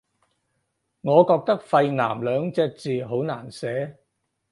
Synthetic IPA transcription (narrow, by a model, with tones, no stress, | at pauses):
ŋɔː˨˧kɔː˧k̚t̪ɐ˥k̚fɐ˧jna̰ː˨˩mlœː˨˧ŋt͡sɛː˧k̚t͡siː˨ɦo˨˥wna̰ː˨˩nsɛː˨˥